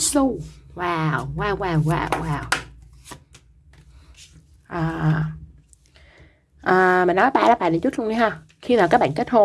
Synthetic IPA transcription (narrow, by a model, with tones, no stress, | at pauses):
su˧waː˨˩wwaː˧˩wwaː˨˩wwa̰ː˨˩wwaː˨˩w | ʔaː˨˩ | ʔəː˨˩maː˨˩nɔ˨˦ɓa̰ː˧˨laː˨˦˥ɓa̰ː˧˨nɗt͡ɕu˦˥t̚lʊ˧ŋ͡mɲi˨˦ɦaː˧˩ | xi˧maː˨˩kaː˦˥k̚ɓa̰ː˧˨ke˦˥t̚hʰo˧